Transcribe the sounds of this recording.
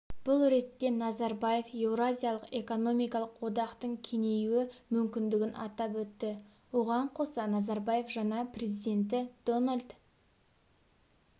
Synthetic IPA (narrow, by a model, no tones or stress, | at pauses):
b̥ʊlˠɾe̞t̪ːe̞nɑzɑɾbaje̞fe̞vɾazʲijalˠəqe̞ko̞no̞mijkɑlˠəqwo̞d̪ɑqt̪əɴkʲʰe̞ne̞juɪmʏmkʲɪnd̪ɪɡʲɪnɑ̰t̪ɑpwɵt̪ːɪ | wo̞ʁɑɴqʰo̞sɑnɑzɑɾbaje̞fʒɑnɑpre̞zijd̪e̞nt̪ɪd̪̥o̞nalʲd̪